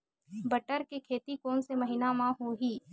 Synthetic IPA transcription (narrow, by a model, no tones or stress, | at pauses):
bəʈəɾkekʰeːt̪ikoːnsemɐɦɪnamãɦoɦiː